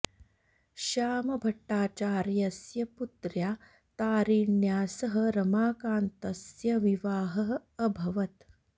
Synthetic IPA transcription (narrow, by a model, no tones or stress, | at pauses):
ʃaːmɐbʱɐʈːaːt͡ʃaːɾjɐsjɐput̪ɾjaː | t̪aːɾiːɳjaːsɐɦɐɾɐmaːkaːnt̪ɐsjɐʋiʋaːɦɐɦɐ̆ːbʱɐʋɐt̪